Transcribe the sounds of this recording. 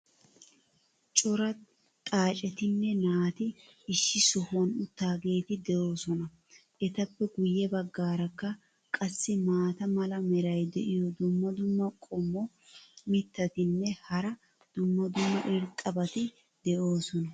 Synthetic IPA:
t͡ʃʼɔɾɐ | t̪ʼaːt͡ʃʼɛt̪ɪnːɛnaːt̪ɪɪʃːɪsʊhɔnʊt̪ːaːɡe̞ːt̪ɪd̪ɛʔo̞ːsɔnɐ | ʔɛt̪ɐpːɛɡʊjːɛbɐɡːaːɾɐkːɐ | kʼɐsːɪmaːt̪ɐmɐlɐmɛɾɐjd̪ɛʔɪjɔd̪ʊmːɐd̪ʊmːɐkʼɔmːɔ | mɪt̪ːɐt̪ɪnːɛhɐɾɐ | d̪̥ʊmːɐd̪ʊmːɐʔɪɾt̪ʼːɐbɐt̪ɪ | d̪̥ɛʔo̞ːsɔnɐ

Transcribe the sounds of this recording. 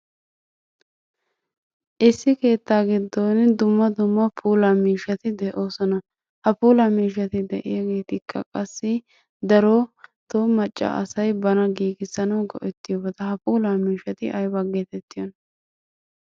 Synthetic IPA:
ʔɪsːɪke̞ːt̪ːaːɡɪd̪ːond̪ʊmːɐd̪ʊmːɐpʰuːlamiːʃɐt̪ɪd̪ɛʔo̞ːsɔnɐ | hɐpuːlamiːʃ̬ɐt̪ɪd̪ɛ̰ʔɪ̰jaɡe̞ːt̪ɪkʰːɐ̰kʼɐsːɪ | d̪ɐɾot̪omɐt͡ʃʼːɐ̰ʔɐ̰sɐjbɐnɐɡiːɡɪsɐnɐwɡɔ̰ʔɛt̪ːɪjobɐd̪ɐhɐpuːlaːmiːʃɐt̪ɪʔɐjbɐɡeːt̪ɛt̪ːɪjɔn

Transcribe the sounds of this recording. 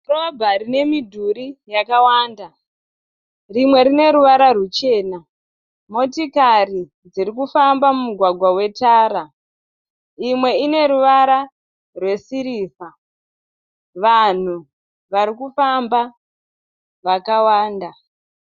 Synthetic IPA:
robʱaɾine̞midʱuɾijakawaːnda | rimwe̞ɾine̞ɾuʋaɾarut͡ʃe̞ːna | mo̞tikari | d͡ziɾikufambamumuɡʱwaɡʱwawe̞taːɾa | imwe̞ine̞ɾuʋaɾa | rwe̞siɾiːsa | ʋan̤u | ʋaɾikufamba | ʋakawaːnda

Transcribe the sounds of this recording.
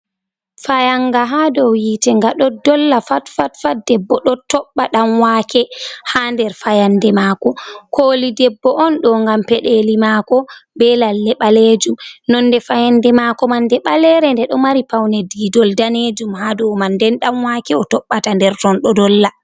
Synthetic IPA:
fajaŋɡaɦadɔwjitɛŋɡaɗɔdɔlːafatfatfadɛbːɔɗɔtɔɓːaɗamwakʰɛhandɛɾfajandɛmaːkɔkʰoːlidɛbːɔʔɔnɗɔŋɡampɛɗelimakɔbɛlalːɛɓaled͡ʒumnɔnːdɛfajandɛmakɔmandɛɓalɛɾɛndɛɗɔmaɾipawnɛdidɔldaned͡ʒumhadɔwmandɛnɗamwakɛɔtɔɓːatandɛɾtɔnɗɔdɔlːa

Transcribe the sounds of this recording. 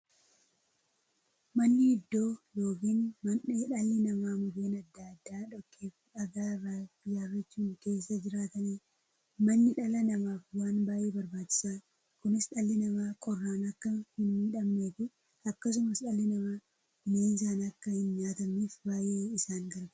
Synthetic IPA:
mɐnːɪɪd̪ːo̞ːjo̞ːkiːnmɐnᶑeᶑɐlːɪnɐmaːmʊdeːnɐd̪ːɐɐd̪ːaːᶑɔkːeːfᶑɐɡaːraɪjaːrːɐt͡ʃːuːnke̞ːsːɐd͡ʒɪɾaːt̪ɐniː | mɐnːɪᶑɐlɐnɐmaːfwaːnbaːjeːbɐɾbaːt͡ʃːɪ̥saː | kʊnɪsᶑɐlːɪnɐmaːkʼɔrːaːnɐkːɐhɪnmiːᶑɐmːe̞ːt̪ɪ | ɐkːɐs̬ʊmɐsᶑɐlːɪnɐmaː | ʊmeːnɪsaːnɐkːɐhɪnɲaːt̪ɐmiːfbaːjeːɪsaːŋɡɐɾɡ

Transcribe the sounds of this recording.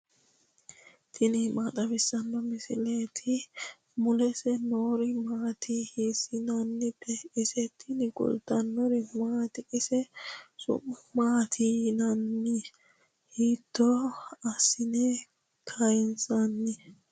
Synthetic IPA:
t̪ʰɪnɪmat̪ʼɐbɪsːɐnːɔmɪsɪleːt̪ʰɪ | mʊlɛsɛnoːɾɪmaːt̪ʰihisɪnɐnːɪpʰːɛɪsɛt̪ʰːɪnɪɡʊ̰lt̪ːɐnːɔɾɪmaːt̪ɪʔɪsɛsʊ̰maːt̪ʰinɐnːɪ | hiːt̪ːɔɐsːɪnɛ | kʰɐjɪnsɐnːɪ

